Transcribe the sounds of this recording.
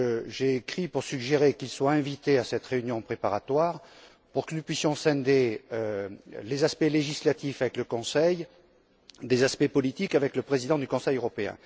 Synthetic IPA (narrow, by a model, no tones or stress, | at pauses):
ʒeːkχipuʁsyɡʒeʁekilswaɛ̃vit̪easɛt̪ʁeynjɔ̃pχepaʁat̪waʁ | puʁkənupɥisjɔ̃sɛ̃d̪eølezaspɛleʒislat̪ifavɛkləkɔ̃sɛj | d̪ezaspɛpɔlit̪ikavɛkləpχezid̪ɑ̃d̪ykɔ̃sɛjøʁɔpeɛ̰̃